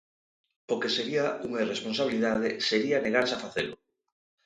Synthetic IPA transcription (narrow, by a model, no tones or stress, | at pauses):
okeseɾiauŋairesponsaβiliðað̞eseɾianeɣaɾsafaθḛlʊ